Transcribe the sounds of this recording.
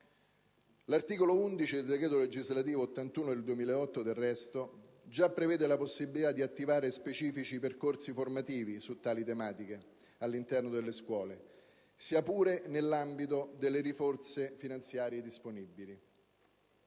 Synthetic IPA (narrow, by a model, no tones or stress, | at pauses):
lart̪iːkolound̪it͡ʃid̪eld̪eɡkɾeːt̪̬oled͡ʒizlat̪̬iːvoːt̪ːant̪uːnod̪eld̪uwemiːleɔt̪ːod̪erːɛst̪o | d͡ʒapːɾevɛːd̪elaposːibilit̪ad̪ːiat̪ːivaːɾespet͡ʃiːfit͡ʃiperkorsiformat̪iːvisut̪ːaːlit̪emaːt̪ike | alːint̪ɛrnod̪elːeskwɔːle | siːapuːɾenelːambit̪od̪elːeɾifort̪sefinant̪sjaːɾjed̪isponibːili